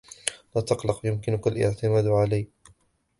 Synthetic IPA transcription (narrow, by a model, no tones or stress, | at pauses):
laːt̪ɑqlɑqjʊmkɪnʊkalʔɪ̰ʕt̪ɪmaːd̪ʕalajː